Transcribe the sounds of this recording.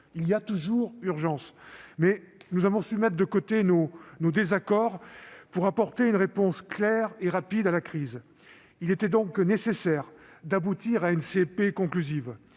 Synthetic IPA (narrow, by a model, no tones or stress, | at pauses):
ilijat̪uʒuʁyʁʒɑ̃smɛnuzavɔ̃symɛt̪χd̪əkot̪enonod̪ezakɔʁpuʁapɔʁt̪eynʁepɔ̃sklɛʁeʁapid̪alakχiz | ilet̪ɛd̪ɔ̃knesesɛʁd̪abut̪iʁaynsepekɔ̃klyziv